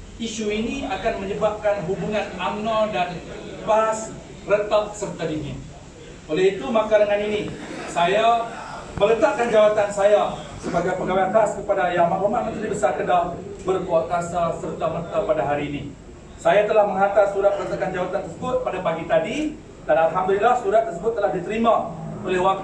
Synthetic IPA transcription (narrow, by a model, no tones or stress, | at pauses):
iʃuiniakanməɲəbap̚kanɦubuŋãnamnadanbas | rət̪aŋsərt̪adiŋɪn | olɛhit̪umakaɾaŋaninisajamələt̪aʔkand͡ʒawat̪ansajasəbaɡajpəɡaweanpaskəpadajamaomaʔ̚mə̃nt̪udibəsarkədahbərkuat̪asasərt̪amərt̪apadaɦaɾiːni | sajat̪əlahməŋat̪asuɾat̪̚mələt̪akand͡ʒawat̪ant̪ərsəbʊt̪̚padapaɡit̪adi | danalɦamd̪ulilahsuɾat̪ːərsəbʊt̪ːəlahdit̪əɾimaolɛhwak̚t̪